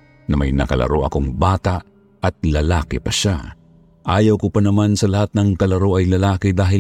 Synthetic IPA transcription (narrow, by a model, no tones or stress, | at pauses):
nɐmajnɐ̰kɐ̰lɐ̰ɾoʔɐ̰koŋbaːt̪aʔ | ɐt̪̚lɐlaːkɪpɐʃa | ʔaːjɐwkʊpanɐmansɐlɐhat̪̚nɐŋkɐlɐɾoʔɐjlɐlaːkɪd̪aːɦɪ